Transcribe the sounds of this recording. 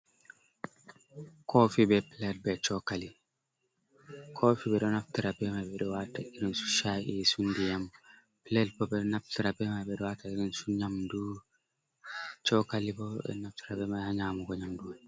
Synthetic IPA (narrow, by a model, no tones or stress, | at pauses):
kʰɔfibɛplɛd̚bɛt͡ʃɔkali | kʰofibɛɗɔnaftiɾabɛmabɛɗɔwataʔiɾinsu̥ʃaʔisundijam | plɛlbɔbɛnaftiɾabɛmabɛɗɔwataiɾinsuɲamdu | t͡ʃɔkalibɔɛ̰naftiɾabɛmaaɲaːmuɡɔɲamduwan